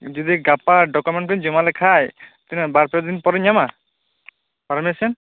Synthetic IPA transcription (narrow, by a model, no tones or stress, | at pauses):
d͡ʒud̪iɡapaɖɔkɔmeɳʈkɔĩɲd͡ʒɔmalɛkʰajt̪inɛbaɾpeɾd̪inpɔɾɲama | paɾmesɔn